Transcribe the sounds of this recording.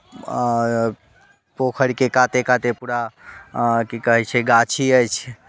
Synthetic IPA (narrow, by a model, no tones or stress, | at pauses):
pokʰəɽikekat̪ekat̪epuɾa | kikəɦɛt͡ʃʰɛɡat͡ʃʰiəjt͡ʃʰ